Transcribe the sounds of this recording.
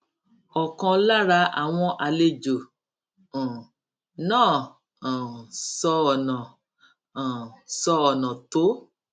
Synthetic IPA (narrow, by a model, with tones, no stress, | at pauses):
ɔ˨kɔ̃˧la˦ɾa˧˦a̰˨w̃ɔ̃˧ʔa˧le˦d͡ʒõ˨ | nãː˦˨ | sɔ˧˦ɔ˨nã˨ | sɔ˧ɔ˨nã˨to˨˦